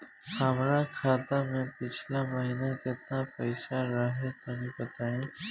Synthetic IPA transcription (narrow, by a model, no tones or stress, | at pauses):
həmɾakʰaːt̪amẽpɪt͡ʃʰlaməɦinakɪt̪napəɪsaɾaɦet̪əmĩpət̪aẽ